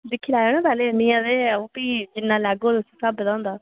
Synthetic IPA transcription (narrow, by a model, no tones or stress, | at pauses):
d̪ɪkʰːiːlaːoːnãːpɛːleːnɪ̃ːãːd̪eːõːpiːd͡ʒɪnːãːlɛːɡoːt̪ʊsĩːsaːbt̪ãːnd̪aː